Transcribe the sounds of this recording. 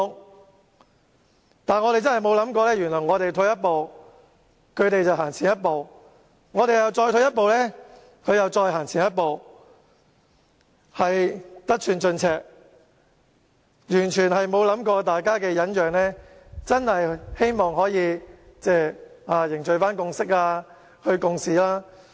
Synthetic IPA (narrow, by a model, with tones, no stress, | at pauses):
ŋ | t̪aː˨nŋɔ˨˧t̪e˨jt͡snhɦjmo˨˧wlɐ˨˥mkɔː˧lɛː˥jɥyː˨˩nlɔː˨˩ŋɔː˨˧t̪e˨jt̪ʰo˧wjɐ˥t̚po˨w | kʰɵ˨˧ɥt̪e˨jt͡sɐ˨wɦaː˨˩ŋt͡sʰiː˨˩njɐ˥t̚po˨w | ŋɔː˨˧t̪ɾe˨jɐ˨wt͡sɔː˧jt̪ʰɵ˧˥jɐ˥t̚po˨wlɛː˥ | kʰɵ˨˧ɥjɐ˨wt͡sɔː˧jɦaː˨˩ŋt͡sʰiː˨˩njɐ˥t̚po˨˧w | hɐ˨jt̪ɐ˥k̚t͡ʃʰyː˧nt͡ʃɵ˧nt͡sʰɛː˧˩k̚ | jyː˨˩nt͡ʃʰyː˨˩nɦɐ˨jmo˨˧wlɐ˨˥mkɔː˧t̪̬aː˨jkaː˥kɛː˧jɐ˨˥njœː˨ŋlɛː˥t͡sɐ˥nhɐ˨jhe˥jmɔː˨ŋɦɔː˨˥jiː˨˧t͡sɛː˥˩aː˧jɪ˨˩ŋt͡ʃɵ˨ɥfaː˥nkʊ˧ŋsɪ˥k̚aː˧ | hɵ˧kʊ˧ŋsiː˨˧laː˥